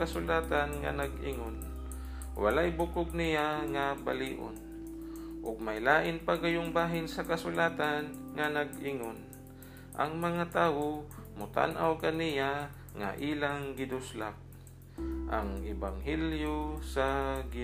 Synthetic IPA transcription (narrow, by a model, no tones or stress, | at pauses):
asʊlaːt̪anŋa̰nɐɡʔɪ̰ŋon | wa̰laʔjbʊkʊɡ̚nɪjaŋabaliːʔo̰n | ʔʊɡ̚majlaːʔɪnpaɡajʊŋbaːɦɪnsɐkasʊlaːt̪anŋanɐɡɪŋon | ʔɐ̰ŋmɐŋat̪aːwomʊt̪a̰nʔawkanɪja | ŋa̰ʔiːlaŋɡɪd̪ʊslak̚ | ʔa̰ŋɪbaŋɦɛljosaɡɪ